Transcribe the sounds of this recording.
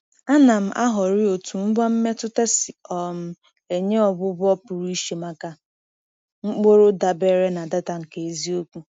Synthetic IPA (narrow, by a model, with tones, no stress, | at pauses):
a˦na˨m̩˦ʔa˦ɦɔ˨ɾɪ˦o˨tu˨m̩˦ɡ͡bɔ˦m̩˦me˦tʊ˦te˦si˨ɔ˨m̩˦ | e˨ɲe˦ɔ˨bʊ˦bʊ˦ɔ˦pʊ˨ɾu˦i˦ʃe˨ma˦ka˦ | ŋ͡m̩˦k͡po˦ɾo˦da˨be˦ɾe˦na˨da˦ta˨ŋ̩˨ke˨e˨zi˦o˦kʷu˦